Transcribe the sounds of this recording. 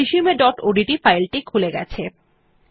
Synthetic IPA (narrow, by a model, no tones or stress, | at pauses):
iʃiumeɖɔʈoɖiʈifajlʈikʰuleɡɛ̰t͡ɕʰe